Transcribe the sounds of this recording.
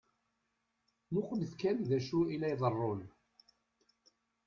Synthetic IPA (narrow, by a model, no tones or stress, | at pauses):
nʊqmθkænðæʃuilæjðˤərˤːon